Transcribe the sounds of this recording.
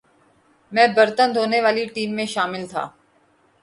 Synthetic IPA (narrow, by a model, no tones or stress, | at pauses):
mɛ̃ːbɐɾt̪ənd̪ʱoːneʋaːliʈiːmːẽʃaːmɪlt̪ʰa̰ː